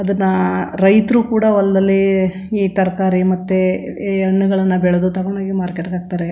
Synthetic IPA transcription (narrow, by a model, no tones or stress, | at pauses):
ɐd̪ɐnːɐɾɐjt̪ɾukuːɽɐʋɐlɐd̪ɐlːiː | t̪ɐɾɐkaːɾimɐt̪ːeɐɳːuɡɐɭɐnːɐbɛɭed̪ut̪ɐɡɐɳaːɡimaːɾkeʈɡaːɡ̚t̪aːɾe